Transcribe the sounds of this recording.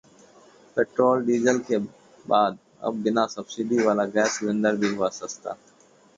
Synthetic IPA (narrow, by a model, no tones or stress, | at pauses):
pɛʈɾoːlɖiːd͡ʒəlke | baːd̪ | ə̰b̚bɪnasəbsɪɖiʋaːlaɡɛːsʋɪ̃nd̪əɾbʱiɦʊʋaːsəkt̪a̰ː